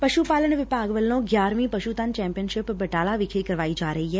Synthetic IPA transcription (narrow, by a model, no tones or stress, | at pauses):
pɐʃupaːləɳʋɪpaːɡʋəlːõɡjaːɾmĩpɐʃut̪aːnt͡ʃɛ̃ːmpijənʃɪpbɐʈaːlaʋɪkʰeikɐɾʋaːid͡ʒaːɾɐɦiɦɛː